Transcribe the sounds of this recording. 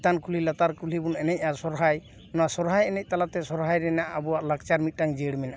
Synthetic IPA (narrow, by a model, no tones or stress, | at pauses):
t̪ankulilat̪aɾkulibunɛnɛc̚ˀasɔɾɦaj | nɔwasɔɾɦajɛnɛc̚t̪alat̪ɛsɔɾɦajɾɛnaʔːbɔwaʔlak̚t͡ʃaɾmit̪̚taŋd͡ʒeɽmɛnaʔa